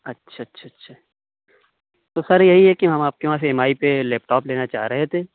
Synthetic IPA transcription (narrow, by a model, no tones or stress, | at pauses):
ɐtːʃʰaɐtːʃʰaɐtːʃʰaː | t̪osɐɾjɐɦiɦɛkiɦɐmaːp̚keʋãseɛmaːipelɛːp̚ʈɔːpleːnat͡ʃa̰ːɦɾɐɦet̪ʰeː